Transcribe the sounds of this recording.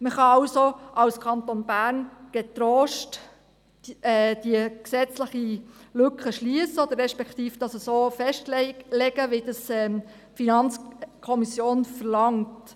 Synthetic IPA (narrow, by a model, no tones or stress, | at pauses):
məχɑɑwsoʔɑwskʰɑnt̪onbæːɾnɡ̥et̪ɾoːʃt | ɛːd̥iəksɛt͡sləχilʏkχəʃliəsəod̪əɾːɛʃpɛkt̪iːfd̥ɑsəsoːfɛʃtllɛɡ̥əʋidɑsɛ | finɑnt͡skʰɔmisjoːnfəɾlɑŋt